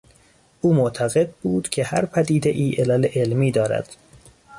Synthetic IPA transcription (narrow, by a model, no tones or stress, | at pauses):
ʔuːmoʔt̪ʰæɣed̪̚buːd̪̥cʰe̞hæɾpʰæd̪iːd̪e̞ʔiːʔelæleʔelmiːd̪ɒːɾæ̰d̪̥